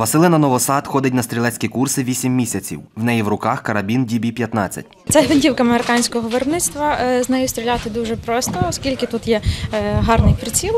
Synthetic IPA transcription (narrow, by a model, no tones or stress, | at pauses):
ʋɐsɪlˠɪnɐnɔʋɔsɑt̪xɔd̪ɪtʲnɐst̪ɾʲilˠɛt͡sʲkʲikursɪʋʲisʲimːʲisʲɐt͡sʲḭwwnɛjiwɾʊkɑxkɐɾɐbʲindʲibʲipʲjɐt̪nɑ̰t͡sʲːɐ̰tʲt̪sɛɦʋɪnʲdʲiwkɐɐmeɾɪkɑnʲsʲkɔɦɔʋɪɾbnɪt̪st̪ʋɐznɛjʊst̪ɾʲilʲat̪ɪd̪uʒɛpɾɔst̪ɔːskʲilʲkɪt̪ut̪jɛɦɑrnɪjpɾɪt͡sʲilˠ